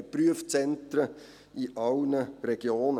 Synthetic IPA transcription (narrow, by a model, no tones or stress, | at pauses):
pɾyəft͡sɛnt̪ɾə | iʔɑʊnəɾɛɡ̥joːnə